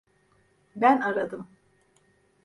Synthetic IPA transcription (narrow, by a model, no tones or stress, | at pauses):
bænaɾad̪ɯm